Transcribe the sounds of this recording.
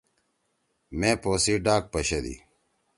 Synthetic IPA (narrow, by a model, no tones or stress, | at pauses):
mẽːpoːsiɖaːk̚pɐɕɐd̪ḭ